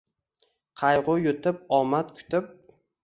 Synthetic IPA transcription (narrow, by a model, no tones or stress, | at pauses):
qʰɑjʁʊjʊt̪ʰɪp̚ɒmat̪kʲʰʊ̥t̪ʰɪp̚